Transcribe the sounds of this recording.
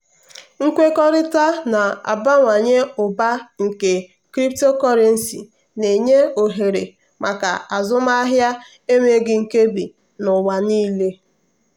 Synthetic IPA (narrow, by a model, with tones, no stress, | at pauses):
ŋ̩˦kʷe˦kɔ˦ɾɪ˦ta˦na˨a̰˨ba˦ŋʷa˨ɲe˦ʊ˨ba˦ŋ̩˨ke˨ | kɾi˦p̚to˦kɔ˦ɾe˦n̩˦˨si˨ | ne˨ɲe˦o˨ɦe˨ɾe˨ | mʔa˨ka̰˨a˨zʊ˦ma˦a˦ɦja˦ | e˦me˦ɡɪ˦ŋ̩˨ke˦bi˨ | nʊ˨wa˨niː˦le˦